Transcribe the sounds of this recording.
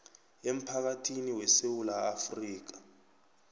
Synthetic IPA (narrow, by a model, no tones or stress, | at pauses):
em̩pʰak̬atʰiniwɛsewulaːfriːk̬ḁ